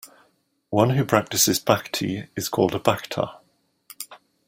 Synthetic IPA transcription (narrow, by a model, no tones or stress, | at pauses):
wʌ̃nɦʉpʰɹ̥ak̚tɪsɪzbaktʰḭɪz̥kʰɔ̰ːlˠdəbaktʰə̰